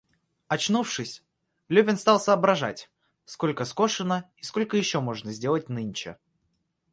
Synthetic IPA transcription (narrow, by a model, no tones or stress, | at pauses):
ɐt͡ɕnufʂɨsʲ | lʲʉbʲɪnst̪ɑlˠsəːbɾɐʐa̰tʲ | sko̞lʲkəsko̞ʂɨnəi̥sko̞lʲkəjɪɕːo̞mo̞ʐnəzʲdʲe̞lˠətʲnɨnʲt͡ɕɪ̰